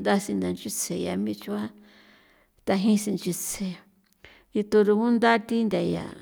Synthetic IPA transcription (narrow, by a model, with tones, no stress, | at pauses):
d̪a˦si˧nd̪a˧nt͡ʃi˦t͡sʰe˨ja̰˧˨mĩ˦t͡ʃu˧a˦ | t̪a˧ɦĩ˦sĩ˧nt͡ʃi˧t͡sʰe˨ | i˧t̪o˧ɾu˧kũ˦nd̪a˦t̪i˦nd̪ʲa˧ja̰˧˨